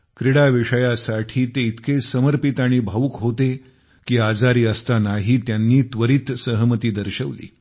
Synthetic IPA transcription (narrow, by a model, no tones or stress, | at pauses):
kɾiɽaʋiʂəjasaʈʰiːt̪eit̪kesəməɾpit̪aɽ̃iːbʱaʋukɦot̪e | kiːad͡zaɾiːəst̪anaɦiːt̪janːiːt̪ʋəɾiːt̪səɦmət̪iːd̪əɾɕəʋlḭː